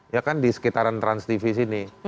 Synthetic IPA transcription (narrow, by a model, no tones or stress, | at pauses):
jakandisə̥kit̪aɾant̪ɾansd̪ifis̬ini